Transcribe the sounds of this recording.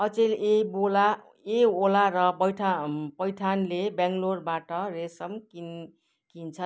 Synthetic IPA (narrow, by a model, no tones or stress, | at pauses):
ʌt͡selebola | eolaɾʌpʌjʈʰapʌjʈʰanlebãŋɡlorbaʈʌresʌmkin | kint͡sʰʌ